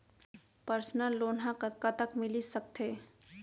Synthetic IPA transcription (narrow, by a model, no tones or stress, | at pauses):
pəɾsnəlːoːnɦãkat̪əkmɪlisɐk̚t̪eː